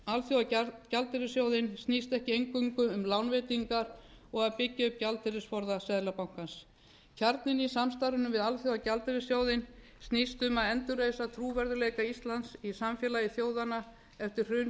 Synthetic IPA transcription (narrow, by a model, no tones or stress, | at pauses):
alθjowacalt̪ɪɾɪsjowðɪnst̪nist̪ɛhcɪejŋkʏŋkʏʏmlawnveːt̪iŋkaɾɔɣaðpɪcːɪʏpcalt̪ɪɾɪsfɔɾðasɛðlapawŋ̥kans | cʰaɾt̪nɪnisamst̪aɾʏnʏmvɪðalθjowacalt̪ɪɾɪsjoːwðɪn | st̪nist̪ʏmaðɛnt̪ʏɾreːjsat̪ʰɾuːvɛɾðʏleːjkaist̪lansisamfjɛlajɪθjoːwðana | ɛft̪ɪɾr̥r̥ʏ